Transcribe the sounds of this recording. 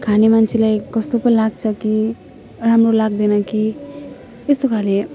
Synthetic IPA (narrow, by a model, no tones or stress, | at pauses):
kʰanemant͡sʰilajkʌst̪opʌnilaɡ̚t͡sʰʌki | ramrolaɡd̪enʌki | est̪okʰale